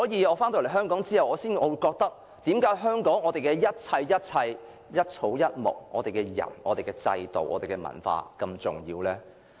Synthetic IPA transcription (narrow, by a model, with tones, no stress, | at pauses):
sɔː˨˥jiː˨˧ɔː˨˧faː˥nt̪o˧˩le˨˩ɦœː˥ŋkɔː˨˥ŋt͡siː˥hɐ˨wɔː˨˧siː˥nɔː˨˧wu˧jkɔː˧k̚t̪ɐ˥k̚ | t̪iː˨˥mkaː˨˥ɦœː˥ŋkɔː˨˥ŋɔː˨˧t̪e˨jkɛː˧jɐ˥t̚t͡sʰɐ˧jjɐ˥t̚t͡sʰɐ˧j | jɐ˥t̚t͡sʰo˨˥wjɐ˥t̚mʊ̰˨˩k̚ʔɔ̰ː˨˧t̪e˨jkɛ˧jɐ̰˨˩nɔ̰ː˨˧t̪e˨jkɛ˧t͡sɐ̰˧jt̪o˨wʔɔː˨˧t̪e˨jkɛ˧mɐ̰˨˩nfa̰ː˧kɐ˧mt͡sʊ̰˨˩ŋjiː˧wlɛː˥